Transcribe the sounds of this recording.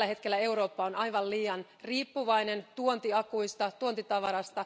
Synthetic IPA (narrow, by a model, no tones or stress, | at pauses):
æhe̞t̪k̟elːæe̞uɾo̞ːpːɑonɑjʋɑlliːjɑn | riːpːuʋɑjne̞nt̪uont̪iɑkuist̪ɑt̪uont̪it̪ɑʋɑɾɑst̪ɑ